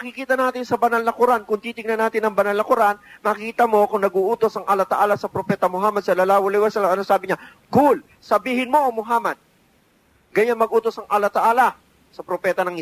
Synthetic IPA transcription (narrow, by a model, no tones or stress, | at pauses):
mɐkɪkiːt̪ɐnaːt̪ɪnsɐbɐnalnɐkʊɾankʊŋt̪iːt̪ɪŋnɐnaːt̪ɪnɐŋbɐnalnɐkʊɾanmɐkiːt̪ɐmo̞kʊŋnɐɡuːʔuːt̪o̞sɐŋʔalat̪ɐʔaːlɐsɐpɾopɛːt̪ɐmoɦaːmɐd̪̚sɐlalaːwolɪjwɛsɐlamɐnosaːbɪɲa | kʊl | sɐbiːhɪnmo̞ʔomoɦaːmɐd̪̚ | ɡɐjanmɐɡ̚ʔuːt̪o̞sɐŋʔalat̪ɐʔaːla | sɐpɾopɛːt̪ɐnɐŋɪ